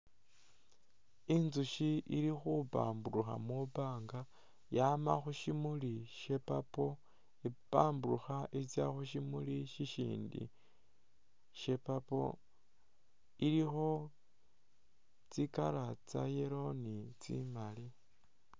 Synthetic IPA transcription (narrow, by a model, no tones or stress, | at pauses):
inzuʃiiɾixupa̰ːmbuɾuxa̰mupaːŋɡa | jamaxuʃimuliʃe̞papo̞ | ipaːmbuɾuxaʔit͡sjaxuʃ̬imuliʃiʃḭːndḭ | ʃe̞papo̞̰ | ilixo̞ | t͡sikaɾat͡sa̰jeɾo̞nit͡sḭmali